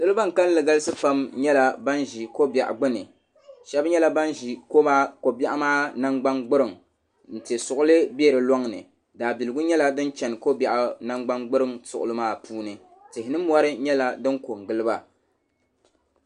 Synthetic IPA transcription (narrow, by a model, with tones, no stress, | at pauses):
dɨ˦lɨ˦ba˦ŋ̩˨ka˦n˦lɨ˨ɡa˦lɨ˦sɨ˦pa˦mɲɛ˦la˨ba˦nʒi˨ko˦ba˨ʔa̰˨ɡ͡bɨ˦nɨ˨ | ʃɛ˦bɲɛ˦la˦ba˦nʒi˨ko˦ba˦ko˨ba˦ʔa˦maː˦na˦ŋɡ͡ba˦ŋɡ͡bɨ˦ɾɨ˨ŋ | n̩˨ti˨e˨sʊ˨ʔʊ˦lɨ˦be˦˨ɾɨ˨lɔ˦ŋ˨nɨ̰˨ | daː˨bi˨lɨ˨ɡʊ˦ɲɛ˦la˦dɨ˦nt͡ʃɛ˨n˨ko˦bɛ˨ʔa˦na˦ŋɡ͡ba˦ŋɡ͡bɨ˦ɾɨ˦ŋsʊ˨ʔʊ̰˨lɨ˦maː˦˨puː˦nɨ˨ | tɪ˨hɪ˨nɨ˦mɔ˦ɾɨ˦ɲɛ˦la˦dɨ˦ŋko˨ŋ˨ɡɨ˦lɨ˦ba˦